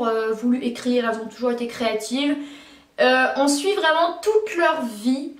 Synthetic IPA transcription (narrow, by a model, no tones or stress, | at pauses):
ʁøvulyʔekχiʁɛlzɔ̃t̪uʒuʁet̪ekχeat̪ʰiv | øɔ̃sɥivʁɛmɑ̃t̪ut̪lœʁvi